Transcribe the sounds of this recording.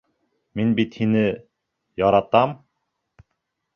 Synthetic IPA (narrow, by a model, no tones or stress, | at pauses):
minbit̪hinɘ | jɑɾɑt̪ɑm